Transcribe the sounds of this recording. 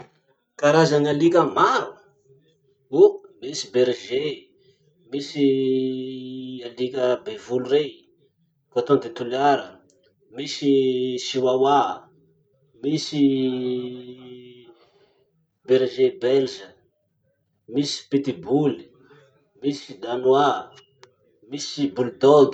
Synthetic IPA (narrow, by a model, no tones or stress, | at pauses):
kaɾazanalikʲəmaɾu | umisibeɾʒe | misi | alikʲəbevulurej | koat̪ond̪et̪uliaɾə | misisiwawa | misi | beɾʒebɛlʒə | misi̥pit̪ibuli | misid̪anwa | misibuld̪ɔɡ